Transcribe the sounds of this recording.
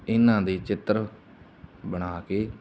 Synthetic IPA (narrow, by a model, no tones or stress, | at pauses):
ɪnːãːd̪iːt͡ʃɪt̪ɾ | bəɽ̃aːkeː